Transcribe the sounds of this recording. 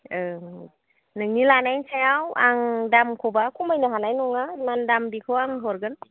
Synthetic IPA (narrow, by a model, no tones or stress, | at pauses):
ɯ | nɯŋnilanajnsajawaŋdamkʰɔbakʰumajnɯɦanajnɔŋamandambikʰɯwaŋɦɔɾɡɯn